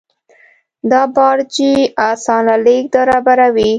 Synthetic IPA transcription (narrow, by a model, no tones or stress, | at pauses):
d̪ɑbɑɾd͡ʒiɑsɑnalek̚d̪aɾɑbaɾawi